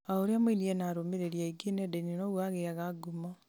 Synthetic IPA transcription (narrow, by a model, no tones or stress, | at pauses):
aoɾeamwenienaɾomeɾeɾjaiɡenedeninoɣwaɣeaɣaɡuma